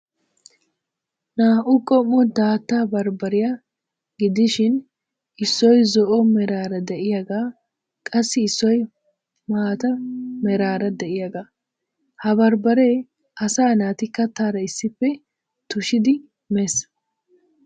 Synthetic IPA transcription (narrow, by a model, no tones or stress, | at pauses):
naːʔʊkʼɔmːɔd̪aːt̪ːaːbɐɾbɐɾɪja | ɡɪd̪ɪʃɪn | ʔɪsːɔjzɔʔɔmɛɾaːɾɐd̪ɛʔɪjɐɡaː | kʼɐsːɪːsːɔj | maːt̪ɐmɛɾaːɾɐd̪ɛʔɪjɐɡaː | hɐbɐɾbɐɾeː | ʔɐsaːnaːt̪ɪkːɐt̪ːaːɾɐɪsːɪpːɛ | t̪ʊʃɪd̪ɪ | mes